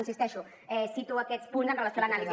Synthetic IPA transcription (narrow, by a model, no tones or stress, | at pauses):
unsist̪ɛʃu | ɛsit̪uəkɛt̪t͡spunzənrələsjoalənaliz